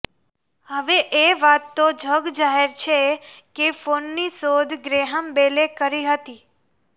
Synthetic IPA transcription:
həʋeʔeʋat̪ːod͡ʒʱəɡd͡ʒaɦeɾt͡ʃʰekefonːisod̪ʱɡɾeɦəmbelekəɾiɦət̪i

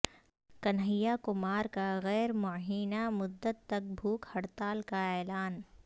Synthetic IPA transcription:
kɐnɦəjakʊmaːɾkaɣɛːɾmʊɦiːnamʊd̪ːət̪ːɐk̚bʱuːkhɐɽt̪aːlkaeːlaːn

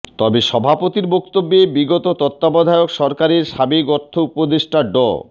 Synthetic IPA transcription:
t̪ɔbeʃɔbʱapot̪iɾbokt̪obːebiɡot̪ot̪ɔt̪ːabɔd̪ʱaeokʃɔɾkaɾeɾʃabekɔɾt̪ʰːoupod̪eʃʈaɖɔ̰

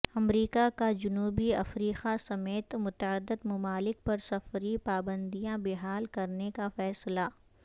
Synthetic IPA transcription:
ɐmɾiːkakad͡ʒʊnuːbiɐfɾiːqasɐmeːt̪mʊt̪əəd̪ːɪd̪mɐmaːlɪk̚pɐɾsɐfɾipaːbə̃nd̪ijãbɪɦaːlkɐɾnekafɛːsla

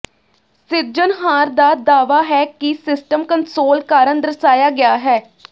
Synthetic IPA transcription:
sɪɾd͡ʒənɦaːɾd̪aːd̪aːʋaːɦɛːkisɪsʈəmkənsɾoːlkaːɾənd̪əɾəsaːjaːɡɪjaːɦɛː

